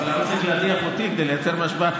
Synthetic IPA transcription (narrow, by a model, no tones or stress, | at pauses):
lamsiʃeatiamot̪iked̪ejlejat͡seʁmaʃba